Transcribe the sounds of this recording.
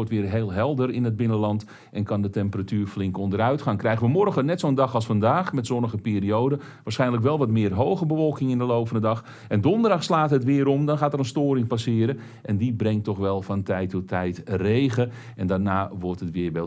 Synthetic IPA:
ɔrtʋɪːrɦeːlˠɦɛlˠdəɾɪnəd̚bɪnəlɑnt | ʔɛnkɑndətɛmpəratyːɹflɪŋkɔndəɾœɥtχaːŋkrɛjɣənʋəmɔrɣənɛtsowəndɑxɑlˠsfɑndaːxmɛtsɔnəɣəpɪːɾiowdə | ʋaːsχɛjndlək̬ʋɛlˠʋɑtmɪːərɦowɣəbəʋɔlˠkɪŋɪndəlowpfəndədɑx | ɛndɔndərdɑxslaːtɦətʋɪːɾɔmdɔnxaːtəɾənstoːɾɪŋpasɪːɾə | ʔɛndibrɛŋtɔxʋɛlˠfɑntɛjtɔtʰɛjtrejɣə | ɛndaːrnaːʋɔrtɦətʋɪːʋɛ

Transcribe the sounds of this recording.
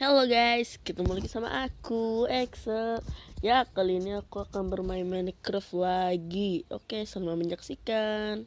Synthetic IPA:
heloɡajskit̪amulakisama̰ʔakuɛksəljakaliːniakuakanbərmainmaɪnkɾəflaɡio̰kesanmaməɲd͡ʒaksikan

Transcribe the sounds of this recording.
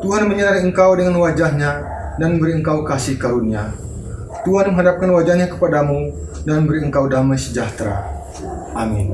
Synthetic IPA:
t̪uɦanməɲəɾaɾiəŋkawdəŋanwad͡ʒaɦɲa | danbəɾiəŋkawkasɪhkaɾunia | t̪uɦanmə̃ŋɦadap̚kanwad͡ʒahɲakə̥padamu | danbəɾiəŋkawdamajsəd͡ʒaht̪ɾa̰ | ʔamin

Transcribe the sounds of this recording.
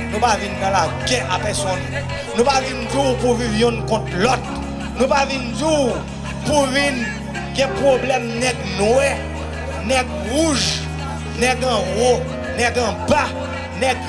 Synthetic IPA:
nũpavinːãlaɡɛʔapɛsɔn | nũpavind͡zipuvivjɔ̃nkɔ̃t̪̚lɔt̪̚ | nũpavind͡ʒi | puvin | ɡɛ̃pʁoblɛmnɛɡnwɛ | nɛɡ̚ | ʁuʒ | nɛɡãʁo | nɛɡãba | nɛɡ̚

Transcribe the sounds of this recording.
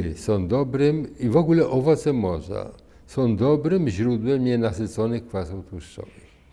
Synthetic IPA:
sɔ̃w̃d̪ɔbɾɪmivɔɡulɛʔɔvɔt̪sɛmɔʐa̰ | sɔ̃w̃d̪ɔbɾɘmʑɾud̪wɛmɲɛnasɪt̪sɔnɪxkfasɔwt̪wuʂt͡ʂɔ̰vɪx

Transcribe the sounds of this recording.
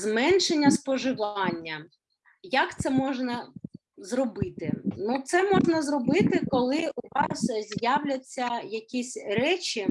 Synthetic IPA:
zmɛnʃenʲːɐspɔʒɪʋɑnʲːɐ | jɐkt̪sɛmɔʒnɐ | zrɔbɪt̪ɪnut̪sɛmɔʒnɐzrɔbɪt̪ɪkɔlˠɪʊʋɑszʲjawlʲɐt͡sʲːɐjɐkʲisʲrɛt͡ʃʲi

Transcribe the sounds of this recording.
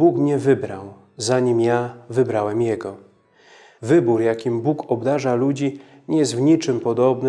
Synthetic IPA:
bukmɲɛvɘbɾa̰w | zaɲimjavɘbɾawɛmjɛɡɔ | vɘbuɾjakʲimbukɔbd̪aʐalud͡ʑi | ɲɛjɛst̪vɲit͡ʂɘmpɔd̪ɔbnɘ

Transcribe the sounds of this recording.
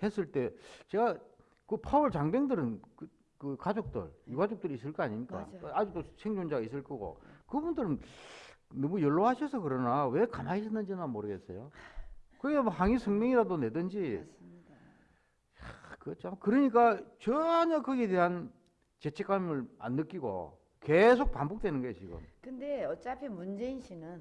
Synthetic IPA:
he̞s͈ɯɭt͈e̞t͡ɕe̞ɡa | kɯpʰaɯɭt͡ɕaŋbeŋdɯɾɯnkɯ | kɯkad͡ʑok̚t͈ɯ̰ɭjuɡad͡ʑok̚t͈ɯɾis͈ɯɭk͈ʌaɲiɲik͈a̰ad͡ʑut͈osʰeŋd͡ʑond͡ʑaɡis͈ɯɭk͈ʌɡo̰kɯbundɯɾɯn | nʌmujʌɭːoɦaɕʰʌsʰʌkɯɾʌnawe̞kanaɕiɕʰʌnːɯnd͡ʑinamoɾɯɡe̞s͈ejo | kɯamhaŋisʰʌŋmʌŋiɾadone̞dɯnd͡ʑi | akɯʌt͡ɕʰamakɯɾʌɲik̬͈at͡ɕʌɲakɯɡeteɦan | t͡ɕe̞t͡ɕʰek͈amɯɭa̰nːɯk͈iɡo̰ | ke̞s̬ʰok̚pambok̚twe̞nɯnɡʌjet͡ɕiɡɯ̰mkɯnde̞ʌt͡ɕ͈apʰimund͡ʑe̞inɕʰinɯn

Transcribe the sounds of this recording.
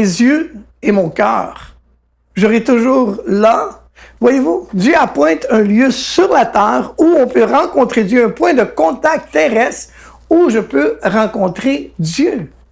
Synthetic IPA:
ezjø | emɔ̃kʲœ̰ːʁ | ʒəʁɛt̪uʒuːʁla | vwajevud̪jøapwɛ̃t̪œ̃ljøsyʁlat̪ɛːʁuɔ̃pøʁɑ̃kɔ̃t̪ʁed̪jøɛ̃pwɛ̃d̪əkɔ̃t̪ak̚t̪ːɛʁɛs | uʒəpøʁɑ̃kɔ̃t̪χed̪jø

